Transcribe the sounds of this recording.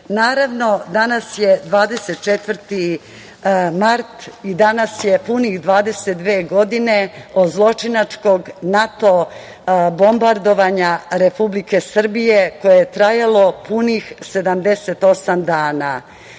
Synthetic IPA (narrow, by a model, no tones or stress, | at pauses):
naːɾaʋno̞d̪anasje̞d̪ʋaːd̪eset̪̚t͡ʃet̪vrt̪i | maɾt̪id̪anasje̞punixd̪ʋaːd̪e̞set̪̚d̪ʋeːɡo̞d̪ineod̪zlˠo̞t͡ʂinat͡ʂko̞ɡnat̪o̞ | bo̞mbaɾd̪o̞ʋaɲaɾe̞publike̞sr̩bije̞ko̞jejet̪ɾajalo̞punixse̞d̪amd̪e̞se̞t̪o̞samd̪aːna